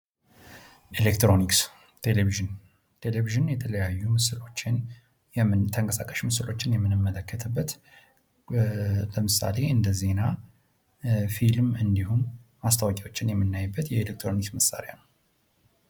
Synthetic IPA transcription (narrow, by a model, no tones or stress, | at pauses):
ʔelekt̪ɾo̞niks | t̪ʰeleviʒɨn | t̪ʰe̞leviʒɨnjɛt̪ʰələjajːumɨsɨlo̞t͡ʃːɪn | jɛmɨnt̪ʰəŋkʼəsakʼəʃmɨsɨlo̞t͡ʃːɪnjɛmːɨnɨmːələkːət̪ʰɨbːət̪ | ləmɨsa̰le̞ʔɨnd̪əze̞na | filmɨnd̪ihunmast̪ʰawakʼiwo̞t͡ʃːɪnjɛmːɨnːajbːət̪jɛelek̚t̪ʰɾo̞niksməsːa̰ɾja̰nəw